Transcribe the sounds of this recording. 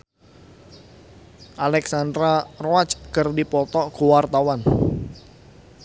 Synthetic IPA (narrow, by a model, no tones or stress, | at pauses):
ʔalɛksand̪ɾaroat͡ʃkərdipɔt̪ɔʔɡ̥o̤wart̪awan